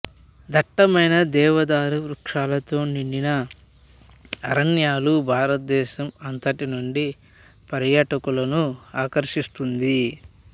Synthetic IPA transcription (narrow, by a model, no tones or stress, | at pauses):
d̪ʱɐʈːɐmɐjnɐd̪ɛːʋɐd̪aːɾuʋɾukʂaːlɐt̪o̞ːniɳɖinɐ | ɾɐnjaːlubʱaːɾɐt̪̚d̪ɛːʃɐmɐnt̪ɐʈinuɳɖi | pɐɾjaːʈɐkulɐnuaːkɐɾʃist̪und̪i